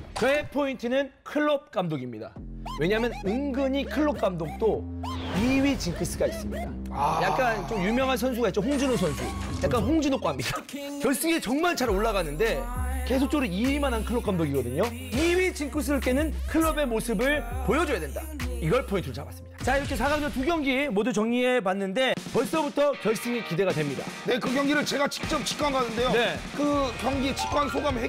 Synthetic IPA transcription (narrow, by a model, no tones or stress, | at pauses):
kepʰointʰɯnɯnkʰɯɭːʌp̚k͈amdoɡimɲida̰we̞ɲamjʌnɯŋɡɯɲikʰɯɭːʌp̚k͈amdok̚t͈oiɥit͡ɕinkʰɯs͈ɯɡais͈ɯmɲida | jak̚k͈ant͡ɕomjumjʌŋɦansʰʌns̬ʰuɡaitt͡ɕoɸoŋd͡ʑunonsʰʌnsʰṵ | jak͈anɦoŋd͡ʑunok͈oɦamɲida | kjʌɭs͈ɯɡet͡ɕʌŋmaɭt͡ɕaɾoɭːaɣanɯnde̞ke̞sʰok̚t͡ɕ͈oɾuiɥimanɦankʰɯɭːop̚k͈amdoɡiɡʌdɯɲo | iwit͡ɕink͈ʰus̬ʰɯɾɯɭk͈e̞nɯnkʰɯɭːʌbe̞mosʰɯbɯɭpojʌd͡ʑojadwe̞nda̰iɡʌɭpʰointʰuɾot͡ɕaba̰s͈ɯmmɲid̥ḁt͡ɕaiɾʌkʰe̞sʰaɡamd͡ʑʌtuɡjʌŋɡimodut͡ɕʌŋɲie̞panːɯnde̞pʌɭs͈ʌbutʰʌkjʌɭs͈ɯŋikide̞ɡadwe̞mɲida̰ne̞kɯɡjʌŋɡiɾɯɭt͡ɕe̞ɡat͡ɕi̥k̚t͡ɕ͈ʌp̚t͡ɕi̥k͈ʰaŋɡanɯnde̞jone̞kɯkjʌŋɡit͡ɕi̥p̚k͈wansʰoɡamhe